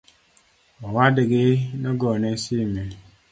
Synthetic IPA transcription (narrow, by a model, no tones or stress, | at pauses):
wawadiɡinɔɡɔnesime